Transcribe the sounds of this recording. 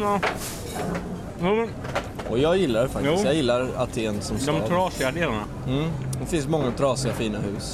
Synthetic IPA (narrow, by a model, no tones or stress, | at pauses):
juːmɛn | ɔjɑːɡjɪlːaɾɛfak̪tːsjɑːɡjɪlːaɾat̪ʰeːnsɔmsd̪ɔmtʰɾɑːsɪad̪eːlaɳa̰ | m̩ːd̪ɛfɪnsmɔŋːat̪ʰɾɑːsɪafiːnahʉ̟ːs